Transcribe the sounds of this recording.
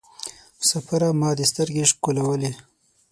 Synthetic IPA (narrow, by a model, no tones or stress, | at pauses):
safaɾamɑːd̪əst̪əɾɡeʂkulawəle